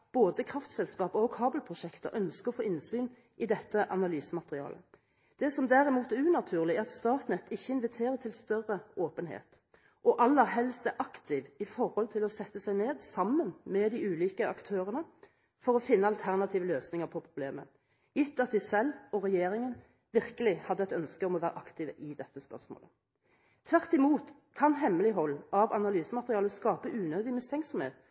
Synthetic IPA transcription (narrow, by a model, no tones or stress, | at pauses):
b̥oːd̪əkʰʁɑft̪sɛlskɑːpəɔɡkʰɑːbəlpʰʁʊʃɛkt̪ə̰ʔœnskəɔfoːʔɪnsyːn | ʔɪd̪ɛt̪ːəʔɑnɑlyːsəmɑt̪əʁɪɑ̰ːlə̰ | d̪̥ɛsɔmd̪æɾɪmuːt̪æʁʉːnɑt̪ʰʉːʁlɪæʁɑt̪st̪ɑːt̪nɛt̪ːɪçːəɪnʋɪt̪ʰeːʁət̪ʰɪlst̪œʁːəʔoːpənɦḛːt̪ | ʔɔʔɑlːəʁɦɛlst̪æɾʔɑkt̪ʰɪʋɪfɔʁhɔlt̪ʰɪlɔsɛt̪ːəsæɪneːd̪sɑmənmɛd̪ɪʉːliːkəɑkt̪ʰøːʁənə | fɔʁɔfɪnːəɑlt̪ʰæʁnɑt̪ʰiːʋəløːsnɪŋəʁpʰɔpʰʁʊbleːmə | ɪt̪ːɑt̪d̪ɪsɛlːɔʁɛjeːɾɪŋən | ʋɪʁkəlɪhɑd̪ːəɛt̪œnskəɔmɔʋæːɾəʔɑkt̪ʰɪʋʔɪd̪ɛt̪ːəspœ̰ʁsmo̰ːlə | t̪ʰʋæʁt̪ɪmuːt̪ | kʰɑnɦɛmːəlɪɦɔlːɑʋɑnɑlyːsəmɑt̪ʁɪɑːləskɑːpəʔʉːnøːd̪ɪmɪst̪ʰɛŋksɔmhḛːt̪